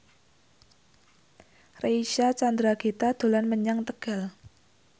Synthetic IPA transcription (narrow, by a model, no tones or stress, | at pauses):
reiʃat͡ʃand̪ɾaɡ̥it̪ad̪̥o̤lanməɲaŋt̪əɡ̥a̤l